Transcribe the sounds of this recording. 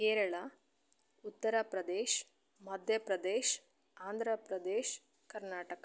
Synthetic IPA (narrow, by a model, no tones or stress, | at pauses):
keːɾɐɭa | ut̪ːɐɾapɾɐd̪eːʃ | mɐd̪ʱjɐpɾɐd̪eːʃ | aːnd̪ʱɾɐpɾɐd̪eːʃ | kɐɾnaːʈɐkɐ